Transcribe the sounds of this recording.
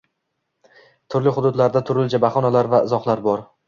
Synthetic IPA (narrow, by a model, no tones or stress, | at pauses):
t̪ʰʊɾlɪχʊd̪ʊd̪laɾd̪at̪ʰʊɾɪld͡ʒʰabaχɒnalaɾvaɪzɒχlˠaɾbɒɾ